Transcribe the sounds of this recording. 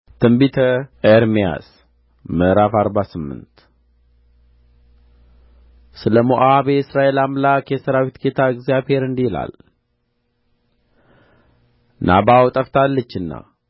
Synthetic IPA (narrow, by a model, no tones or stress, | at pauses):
t̪ʰɨmbit̪ʰəeɾmija̰s | məɾafaɾbasɨmːɨ̰nt̪ | sɨləmoʔabesɾaʔe̞lamlakjɛsəɾawit̪ɡet̪ʰaɨɡzjabhe̞ɾɨnd̪ila̰l | nʔa̰bawt̪ʼəft̪ʰalːət͡ʃːɨnːa̰